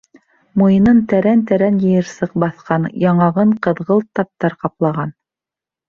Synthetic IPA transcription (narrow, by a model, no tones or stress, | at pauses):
mujɤ̆nɤnt̪æɾænt̪æɾænjɘ̆jɤɾsɤ̆q̚bɑθqɑnjɑɴɑʁɤɴqɤ̆ðʁɤlˠt̪ɑp̚t̪ɑɾqɑplˠɑʁɑn